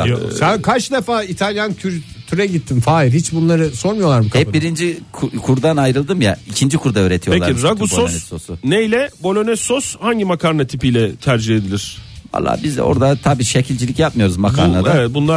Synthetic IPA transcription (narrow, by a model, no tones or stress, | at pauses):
sænkʰat͡ʃd̪efaːit̪ʰalʲjancʰyɾt̪ʰyɾɛɟit̪ʰːinfaːiɾhit͡ʃbunlˠaɾɯso̞ɾmijo̞lˠaɾmɯhɛpbiɾind͡ʒikʰukʰuɾd̪anajɾɯlˠd̪ɯmjaicʰind͡ʒikʰuɾd̪aøːɾet̪ʰijelˠaiɾabusonɛso̞sunejlʲɛbo̞lʲo̞nɛsoshaɲɟimakʰaɾnat̪ʰipijlʲɛt̪ʰæɾd͡ʒihed̪ilʲiɾ̥va̰lˠːa̰ːbizo̞̰ɾd̪at̪ʰabiːʃecʰilʲd͡ʒilʲicjap̚mɯjo̞ɾuzmakʰaːɾnad̪aevɛt̪̚bunlˠa